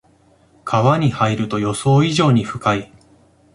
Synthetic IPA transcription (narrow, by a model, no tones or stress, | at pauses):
kʰaβaɲ̟ihaiɾɯ̟t̪o̞jo̞so̞ːiʑo̞ːɲ̟iɸɯ̟kai